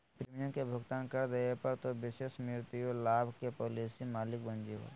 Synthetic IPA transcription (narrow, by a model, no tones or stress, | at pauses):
pɾeːmijə̃kebʱʊɡt̪aːnkɐɾd̪eepɐɾt̪oʋɪʃeːʃmɪɾt̪ijolaːbʱkepoːliːsimaːlɪk̚bə̃nd͡ʒeɦo̰ː